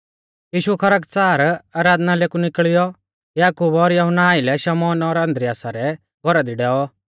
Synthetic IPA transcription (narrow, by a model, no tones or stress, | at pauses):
jiːʃuɛkʰɐɾəkt͡saːɾaːɾaːd̪naleːkunɪkɭɪjɔ | jaːkuːbɔɾjɐɦʊnaːɪlɛʃɐmɔːnɔɾɐ̃nd̪ɾɪjaːsaɾɛ | ɡʱɔɾad̪iɖɛːɔ